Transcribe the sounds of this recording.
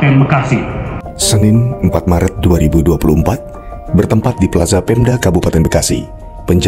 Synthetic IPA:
ɛnbəkasi | sənɪnəmpat̪̚maɾət̪̚duaɾibuduapuluəmpat̪̚ | bərt̪əmpat̪̚dipəlazapɛmdakabupat̪ɛnbəkasḭ | pəɲd͡ʒ

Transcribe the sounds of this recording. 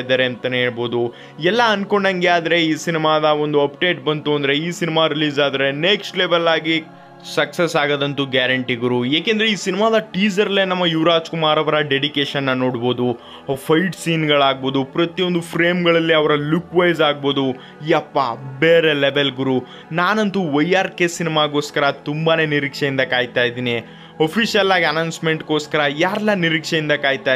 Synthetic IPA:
d̪ɐːɾeɐnt̪ɐneːɭbo̞ːd̪u | ɛlːɐɐnko̞ɳɖɐŋɡeaːd̪ɐɾe̞iːsinimaːd̪ɐo̞nd̪uɐpɖe̞ːʈ̚bɐnt̪uɐnd̪ɐɾe̞iːsinimaːɾiliːzaːd̪ɐɾe̞neksʈleʋelːaːɡi | sɐksesaːɡaːd̪ɐnt̪uɡaːɾɐɳʈiɡɾuːjaːkeːnd̪ɐɾeiːsinimaːd̪ɐʈiːd͡ʒɐɾɐlːeːnɐmːɐjuʋɾaːd͡ʒkumaːɾɐʋɐɾɐɖeɖikeːʃɐnːɐno̞ːɽboːd̪u | pʰɐjʈsiːnɡɐɭaːɡ̚bo̞ːd̪upɾɐt̪ijond̪upʰɾeːmɡɐɭɐlːiɐʋɐɾɐlukʋɐjzaːɡ̚bo̞ːd̪u | japːabeːɾeleʋelɡuɾu | naːnɐnt̪uʋɐjaːɾkesinimaɡo̞ːskɐɾɐt̪umbane̞ːniɾiːkʂejind̪ɐkaːjt̪aːjd̪iːni | opʰisijɐlaːɡiɐnɐwnsmeɳʈko̞ːskɐɾɐjaːɾɐlːaniɾikʂejind̪ɐkaːjt̪ːaː

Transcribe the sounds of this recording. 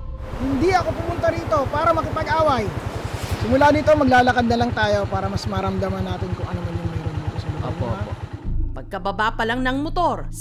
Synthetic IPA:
hɪnd̪iɐko̞pʊmʊnt̪ɐɾiːt̪o̞paːɾɐmɐkɪpɐɡʔaːwɐjsɪmʊlaːd̪ʊɪt̪oŋmɐɡ̚laːlɐkɐd̪nɐlɐŋt̪aːjo̞paːɾɐmɐsmɐɾɐmd̪ɐmɐnːaːt̪ɪnkʊŋʔɐnomɐnoŋmɛjɾoniːt̪osɐlʊkːo̰po̰pɐɡ̚kɐbɐbapɐlaŋnɐŋmot̪o̞ɾ

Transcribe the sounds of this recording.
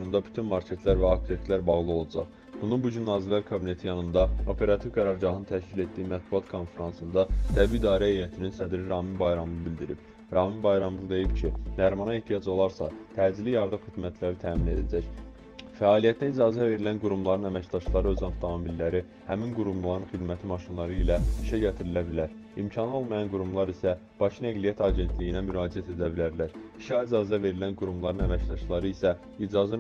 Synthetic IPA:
und̪ɑby̥t̪ʰynmɑɾcʰe̞t̪ʰlæɾvæɑkt̪ʰet̪læɾbɑʁlˠɯo̞lˠɑd͡ʒɑ̰χ | b̥unubuɟynːɑːzilːæɾkʰɑbine̞t̪ʰijɑnɯnd̪ɑo̞pʰe̞ɾɑt̪ʰivɡæɾɑɾɟɑɦɯnɯt̪ʰæʃcile̞t̪̚d̪iːimæt̪̚buɑt̪kʰo̞nfe̞ɾɑnsɯnd̪ɑt̪ʰæbiid̪ɑːɾæejæt̪ʰininsæd̪ɾiɾɑːminbɑjɾɑmlˠɯbilʲd̪iɾib̥ | ɾɑːminbɑjɾɑmlˠɯd̪e̞jipcʰinæɾmɑnɑeht̪ʰijɑd͡ʒo̞lˠɑɾsɑ̰t̪ʰæːzilijɑɾd̪ɯmxid̪mæt̪ʰlæɾit̪ʰæːmine̞d̪æd͡ʒæç | fæɑːlijæt̪ʰinæid͡ʒɑːzæve̞ɾilænɡuɾumlˠɑɾɯnæmæcd̪ɑʃlˠɑɾɯø̞zɑmt̪t̪ɑmilːæɾi | hæminɡuɾumllˠɑɾɯnχid̪mæt̪ʰimɑʃinlˠɑɾɯilæiʃæɟæt̪ʰiɾilæbilæɾ | imcʰɑno̞lˠmɑjɑnɡuɾumlˠɑɾisæ | b̥ɑcʰinæɡlijæt̪ʰɑɟe̞nt̪ʰlijinæmyɾɑːd͡ʒiæt̪ʰe̞d̪æbilæɾlæɾi̥ʃæid͡ʒɑːzæve̞ɾilænɡuɾumlˠɑɾɯnæmæcd̪ɑʃlˠɑɾɯisæ | id͡ʒɑzi

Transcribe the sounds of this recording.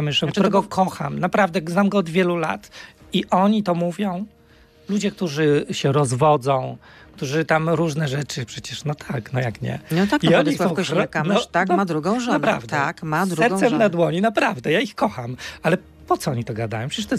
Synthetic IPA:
amɘʂlɛ̃ktuɾɛɡɔkʰɔxa̰mnapɾavd̪ɛɡznamɡɔːd̪vʲjɛlula̰t̪ | iʔɔɲit̪ɔmuvʲjɔ̃w̃ | lud͡ʑɛk̚t̪uʐɘɕɛɾɔzvɔd̪zɔ̃w̃ | kt̪uʐɘt̪amɾuʐnɛʐɛt͡ʂɘpʂɛt͡ɕɛʂnɔt̪ʰaknɔjakɲɛ̰nɔt̪akiɔɲiɔ̃w̃ɾɔmnɔanɔmad̪ɾuɡɔ̃wʐɔnapɾavdt̪ɛakmad̪ɾɛɾsɛmnad̪wɔɲinapɾavd̪ɛjaixkɔxamalɛ | pɔt̪ɔɔɲit̪ɔɡad̪a̰jɔ̃wpʂɛt͡ɕɛʂt̪ɔɛ

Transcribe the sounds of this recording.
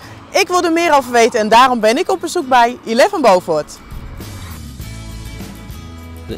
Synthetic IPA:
ʔɪkʋɪlˠdəmɪːɾowvəʋejtənɛndaːrɔmbɪnɪkɔp̚bəzuk̚bɛjilɛvənbowvɔt

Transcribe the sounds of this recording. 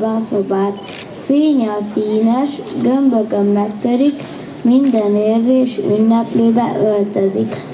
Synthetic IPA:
bɛsobaːt̪ | feːɲɒsiːnɛʃɡømbøɡømːɛk̚t̪øɾik | mind̪ɛneːrzeːʃy̰nːɛpløːbɛ̰ʔølt̪øzik

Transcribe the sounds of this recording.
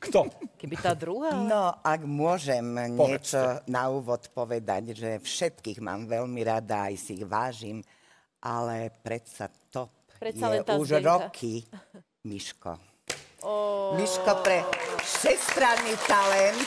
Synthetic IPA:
kt̪ɔkɛbit̪ad̪ɾuɦanɔaɡmʊɔʒɛmɲɛt͡ʃɔnauːʋɔt̪pɔʋɛd̪a̰ɟʒɛfʃɛt̪kiːɣma̰ːmʋɛlmiɾad̪aajsiiɣʋaːʒim | ʔalɛpɾɛt̪sa̰t̪ɔp̚ | jɛʔuʒɾɔkʰi | miʃkɔ̰ | miʃkɔpɾɛʃɛst̪ɾanːiːt̪alɛnt̪

